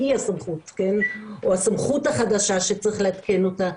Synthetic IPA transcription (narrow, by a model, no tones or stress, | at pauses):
iasamχutkenʔohasamχuthaχadaʃaʃet͡sʁiχleat̪ke̞no̞ta